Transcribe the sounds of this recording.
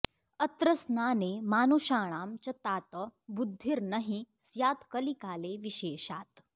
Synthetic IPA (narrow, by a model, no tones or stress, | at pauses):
ɐt̪ɾɐsnaːnemaːnuʃaːɳ̃aːmt͡ʃɐt̪aːt̪əbud̪ʱːiɾnɐɦĩ | sjaːt̪kɐlikaːleʋiʃeːʃaːt̪